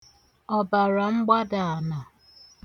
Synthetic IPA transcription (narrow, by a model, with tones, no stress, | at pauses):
ɔ˨ba˨ɾa˨ŋ͡m̩˦ɡ͡ba˦da˨na˨